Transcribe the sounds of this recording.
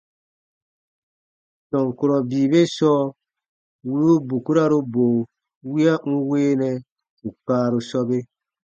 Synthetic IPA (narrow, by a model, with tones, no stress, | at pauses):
sɔ˨ŋku˨ɾɔ˨biː˨be˦sɔ˦ | wu˦ɾu˦bu˨ku˦ɾa˦ɾu˦bo˨ | wi˦a˦ŋ̩˦weː˦nɛ˨ | u˨k͡paː˨˦ɾu˧sɔ˦be˦